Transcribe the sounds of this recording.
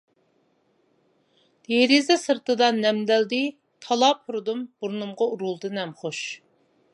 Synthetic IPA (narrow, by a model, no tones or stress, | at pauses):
jeɾizɛsɨɾt̪ɨd̪ɑnːɛmd̪æld̪ɪ | t̪ʰɑlˠɑpʰuɾɨd̪umb̥uɾnumʁɑuɾulˠd̪ɨnɛmχoʃ